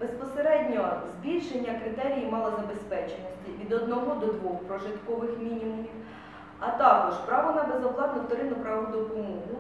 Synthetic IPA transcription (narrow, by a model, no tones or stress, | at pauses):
bespɔseɾɛdʲnʲɔzʲbʲilʲʃenʲːɐkɾɪt̪ɛɾʲijimɑlˠɐzɐbespɛt͡ʃenʲɔsʲtʲiʋʲid̪ɔd̪nɔɦɔd̪ɔd̪ʋɔxpɾɔʒɪt̪kɔʋɪxmʲinʲimʊmʲiw | ɐt̪ɑkɔʒpɾɑʋɔnɛbezɔplˠɑt̪nɔft̪ɔɾɪnʊpɾɑʋʊd̪ɔpɔmɔɦʊ